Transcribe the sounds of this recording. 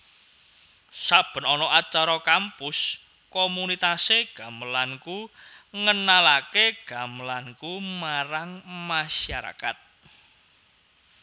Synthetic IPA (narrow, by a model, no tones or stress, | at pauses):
sab̥ə̤nɔnɔʔat͡ʃaɾɔkampʊs | kɔmunit̪aseɡ̥a̤məlankuŋənalakeɡ̥a̤məlankumaɾaŋmaʃaɾa̰ka̰t̪̚